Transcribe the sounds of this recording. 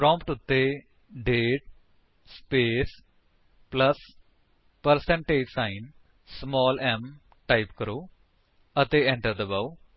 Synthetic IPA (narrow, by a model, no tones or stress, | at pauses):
pɾɔ̃ːmpʈʊt̪ːe | ɖeːʈ̚ | speːs | pləs | pəɾsɛ̃ɳʈeːd͡ʒsaːɪn | smɔːlɛm | ʈaːɪpkəɾoː | ət̪eːɛ̃ɳʈəɾd̪əbaw